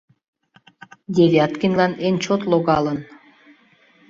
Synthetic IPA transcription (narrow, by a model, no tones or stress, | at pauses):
d̪ʲevʲɑt̪kinʲlɑnent͡ɕot̪loɣɑlən